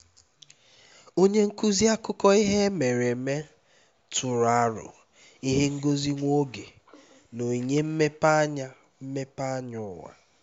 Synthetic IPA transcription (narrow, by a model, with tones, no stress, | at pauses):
o˦ɲe˦ŋ̩˦ku˦zi˦a˦kʊ˦kɔ˦i˦ɦe˦me˨ɾe˨me˦ | tʰʊ˨ɾa˦ɾʊ̰˨ | i˦ɦe˦ŋ̩˦ɡo˦zi˦ŋʷo˦ɡe˨ | no˨i˨ɲe˦m̩˦me˦pa˦ɲa˦ | m̩˦me˦pa˦ɲʊ˦ŋa̰˨